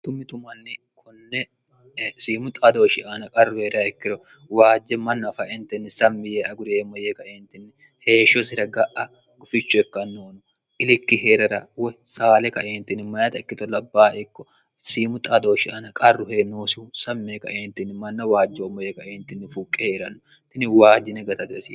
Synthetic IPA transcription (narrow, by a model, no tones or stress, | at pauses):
t̪ʊmːɪt̪ʊmɐnːɪ | kʰʊnːɛ | siːmʊt̪ʼɐd̪o̞ːʃɪʔaːnɐkʼɐrːʊheːɾaɛkːɪɾɔ | waːd͡ʒːɛmɐnːɐfɐʔɛnt̪ɪnːɪsɐmːɪjeɐɡʊɾeːmɔjekɐʔeːnt̪ɪnːɪ | he̞ːʃɔsɪɾɐɡɐʔɐ | ɡ̥ʊfɪt͡ʃːʊɛkːɐnːoːnʊ | ʔɪlɪkːɪheːɾɐɾɐ̰wɛsaːlɛkɐʔeːnt̪ɪnːɪmɐjɐt̪ɐɪkːɪt̪ɔlɐbːaːʔɪkːɔ | siːmʊt̪ʼɐd̪oːʃɪʔaːnɐkʼɐrːʊheːnːoːsuːsɐmːeːkɐʔeːnt̪ɪnːɪmɐnːɐwaːd͡ʒːoːmɔjɛkɐʔeːnt̪ɪnːɪfukʼːɛheːɾɐnːʊ | t̪ɪnːɪwaːd͡ʒːɪnɛɡɐt̪ɐt̪ɪsi